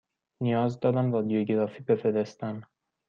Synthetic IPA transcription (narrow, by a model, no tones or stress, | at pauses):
nijɒːzd̪ɒːd̪æmbɒd̪ijoɟeɾɒːfiːbe̞feɾest̪æn